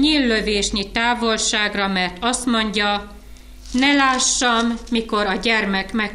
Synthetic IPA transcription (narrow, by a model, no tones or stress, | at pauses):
ɲiːlːøveːʃɲit̪aːvo̞lʃaːɡrɒmɛrt̪ɒst̪mo̞ɲɟɒ | nɛlaːʃːɒmːiko̞ɾɒɟɛrmɛkmɛ